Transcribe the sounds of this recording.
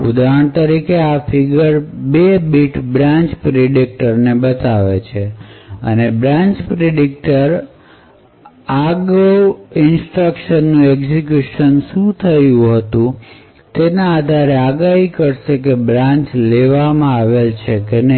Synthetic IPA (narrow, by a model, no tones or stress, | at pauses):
ud̪aɳt̪əɾikeafʰiɡəɾbebiʈbɾãɲt͡ʃpɾeɖik̚ʈəɾnebət̪aʋet͡ʃʰeə̰nebɾãɲt͡ʃpɾeɖik̚ʈəɾ | aɡɾoɪnsʈɾəkʃənːũeɡzik̬juʃənʃũt̪ʰəjũɦət̪ũ | t̪enãad̪ʱaɾeaɡaɦikəɾʃekebɾãɲt͡ʃleʋamãaʋelt͡ʃʰekenə